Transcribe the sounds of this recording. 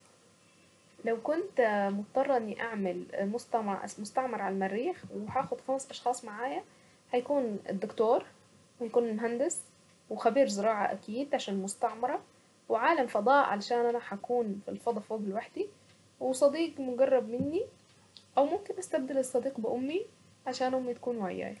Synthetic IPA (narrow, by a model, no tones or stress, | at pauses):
lawkʊnt̪mʊt̪t̪ˤːɑrˤːɑʔɪnːiʔaʕmalmʊst̪aʕmʊst̪ɑʕmɑɾˤʕalmærːiːxwħæːxʊd̪xæmsʔɑʃxɑːsˤmaʕaːja | ħajakuːnɪ̰d̪ːʊkt̪oːɾ | whajkuːnɪlmʊɦand̪ɪs | wɪxabiːɾzɪɾɑːʕɑ̰ʔa̰kiːd̪ʕaʃaːnɪlmʊst̪aʕmɑɾˤɑ | wɪʕaːlamfɑd̪ˤɑːʔʕa̰lʃaːnʔanaħakuːnfilfɑd̪ˤfoːɡɪlwaħd̪i | wɪsˤɑd̪iːqmʊɡɑrˤːɑbmɪnːi | ʔawmʊmkɪnʔast̪ab̚d̪alɨsˤːɑd̪iːqbɪʔʊmːi | ʕaʃaːnʔʊmːit̪ḁkuːnwaʕajːa̰ːj